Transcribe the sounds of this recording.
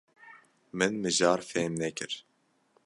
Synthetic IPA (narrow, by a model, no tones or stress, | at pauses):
mɨnmɨʒɑːɾfɛmnɛkɨɾ